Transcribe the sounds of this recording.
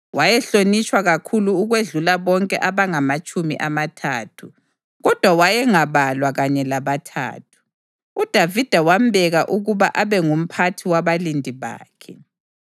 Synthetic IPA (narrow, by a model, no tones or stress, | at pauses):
wajɛɬonit͡ʃʼwaɣakʰuluːɣweɮulaβɔŋkʼɛʔaβaŋamat͡ʃʼumḭʔamatʰaːtʰu | ɣɔd̥ʱwawajɛŋaβalwaɣaɲɛlaβatʰa̰ːtʰu̥ | ud̥ʱavid̥ʱawam̩bʱɛɣaʔuɣuβaʔaβɛŋum̩pʰatʰiwaβalindʱiβa̰ːkʰɛ